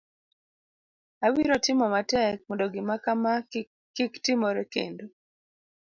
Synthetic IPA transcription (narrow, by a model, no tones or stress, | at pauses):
awiɾotɪmɔmatɛk̚mɔndoɡɪmakama | kiktɪmoɾɛkḛndo